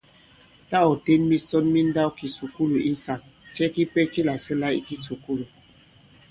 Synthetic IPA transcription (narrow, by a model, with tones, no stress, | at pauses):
ta˦ɔ˨te˦nmi˦sɔ˦nmi˦n˦da˦wki˨su˨ku˦lu˨ʔi˦sa˨k̚t͡ʃɛ˦ki˦pɛ˦ki˦la˨sɛ˦la˦ḭ˦ki˦su˨ku˦lu˨